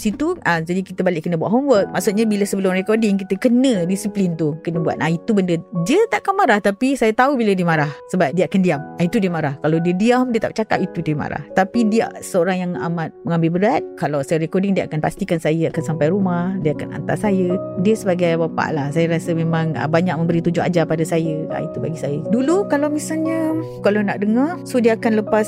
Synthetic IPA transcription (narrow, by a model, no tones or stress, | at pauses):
sit̪uəd͡ʒadikit̪əbalɪʔkənəbuaʔɦɔmwət̪̚ma̰ʔsʊt̪̚ɲabiləsəbəlʊmrekɔdɪŋkit̪əkənə̃disiplint̪ukənəbua̰t̪̚ʔait̪ubəndədiət̪aʔakanmaɾaht̪apisajat̪aubilədiəmaɾahsəbap̚diəakandiamait̪udiəmaɾahkalawdiədiamdiət̪a̰p̚t͡ʃaka̰pit̪uit̪uma̰ɾa̰ht̪apidia̰ʔsəoɾaŋjaŋa̰mat̪̚məŋãmbɪlbəɾat̪̚kalawsajəɾekɔdɪŋdiəʔa̰kanpast̪ikansajəakansampajɾumahdiəakana̰nt̪a̰sajədiəsəbaɡajbapa̰ʔlahsajəɾasəmemãŋə̰baɲak̚mə̃mbəɾit̪ud͡ʒʊa̰d͡ʒapadasajəa̰it̪uba̰ɡisajədulukalawmisalɲəkalanaʔdəŋasodiəakanləpas